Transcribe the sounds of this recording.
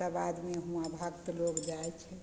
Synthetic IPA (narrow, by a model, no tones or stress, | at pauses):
abad̪meɦũabʱəkt̪əlokd͡ʒaɛt͡ʃʰɛ